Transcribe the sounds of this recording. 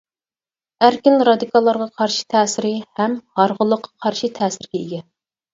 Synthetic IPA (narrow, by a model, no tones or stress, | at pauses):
æɾkʲɪnɾɑd̪ikʰɑlˠːɑɾʁɑqʰɑɾʃi̥t̪ʰɛːsɪɾɪhɛmhɑɾʁʊlˠːəqʰːɑ̥qʰɑɾʃit̪ʰɛːsɪɾɡʲɛiɡʲɛ